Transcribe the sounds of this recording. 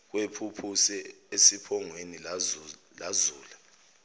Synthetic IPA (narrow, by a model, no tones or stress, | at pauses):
k̬wepʰupʰusɛesipʰɔŋweni | lazuːla